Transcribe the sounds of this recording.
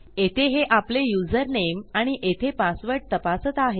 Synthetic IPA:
et̪ʰeɦeʔaplejud͡zəɾnemaɽ̃iʔet̪ʰepasʋəɾʈ̚t̪əpasət̪aɦe

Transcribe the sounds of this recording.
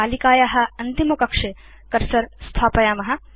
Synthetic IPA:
aːlikaːjaɦɐ̆ɐnt̪imɐkɐkʂe | kɐɾsɐɾst̪ʰaːpɐjaːmɐɦɐ̆

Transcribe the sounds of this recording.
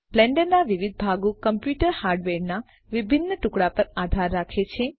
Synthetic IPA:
b̥lɛ̃ɳɖəɾnaʋiʋid̪̚ʱbʱaɡũkəmpjuʈəɾhaɾɖʋeɾna | ʋibʱinːəʈʊkɽapəɾad̪ʱaɾːakʰet͡ʃʰe

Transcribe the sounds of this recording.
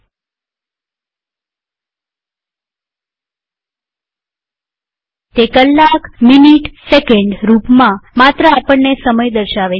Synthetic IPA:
t̪ekəlːakminiʈsekeɳɖɾupmãmat̪ɾəapəɳːesəməjd̪əɾʃaʋe

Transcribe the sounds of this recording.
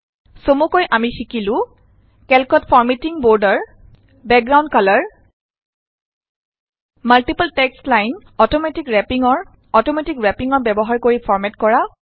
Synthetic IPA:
somukojʔamixikilʊ̃ | kɛlkɔtpʰɔɹmetiŋbɔɹdɔɹ | bɛk̚ɡɹawndkalɔɹ | maltipaltɛkslajn | ɔtɔmetikɹɛpiŋɔɹ | ɔtɔmetikɹɛpiŋɔɹbɛbɔɦaɹkoɹipʰɔɹmɛtkɔɹa

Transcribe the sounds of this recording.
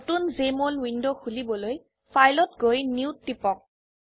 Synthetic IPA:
tunzemolwindoxulibɔloj | fʰajlɔtɡojnuwtːipɔk̚

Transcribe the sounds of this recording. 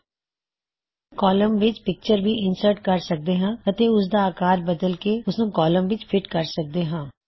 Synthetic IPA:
kɔːləmʋɪt͡ʃpɪk̚t͡ʃəɾbʱiʔɪnsəɾʈkɐɾsək̚d̪eːɦãːɐt̪eʊs̬d̪aːkaːɾbəd̪əlkeʊsnũːkɔːləmʋɪt͡ʃpʰɪʈkɐɾsək̚d̪eːɦãː

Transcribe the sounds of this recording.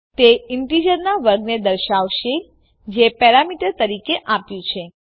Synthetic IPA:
t̪eɪɳʈid͡ʒəɾnaʋəɾɡned̪əɾʃaʋʃe | d͡ʒepɛɾamiʈəɾt̪əɾikeʔapjũt͡ʃʰe

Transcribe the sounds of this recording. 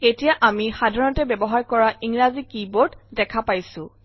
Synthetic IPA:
etijaʔamixadʱaɹɔnɔtɛbɛbɔɦaɹkɔɹaʔiŋɹazikibotdɛkʰapajsʊ̃

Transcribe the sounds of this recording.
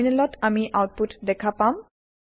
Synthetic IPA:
nɛlɔtʰamiʔawt̚putdɛkʰapam

